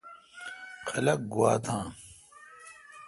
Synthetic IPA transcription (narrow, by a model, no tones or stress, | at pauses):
kʰɐlɐk̚ɡuwaːt̪ʰãː